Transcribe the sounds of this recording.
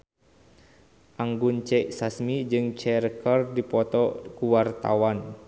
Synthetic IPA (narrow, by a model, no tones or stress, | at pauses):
ʔaŋɡunt͡ʃɛʔsasmid͡ʒɨŋt͡ʃɛɾkɔrdipɔt̪ɔkuwart̪a̰wan